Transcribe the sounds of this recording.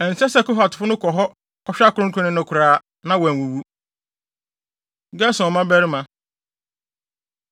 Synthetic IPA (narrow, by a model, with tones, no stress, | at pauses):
ɛ˨n̩˨sɛ˦sɛ˦˨kʊ˦ɦa˨tʰʊ˨fʊ˦nʊ̃˦kʰɔ˨ɦɔ˦ | kɔ˦ɕᶣa˦kʰʊ˨ɾʊ̃˦ŋ̩˦kʰʊ̃˦nɪ̃˦nʊ̃˨kʰʊ˨ɾaː˦ | nã˦wɛ̃˨wu˨wu˦ | ɡɛ˦sʊ̃˨ɔ˨mã˦bɛ˦ɾɪ˦mã˨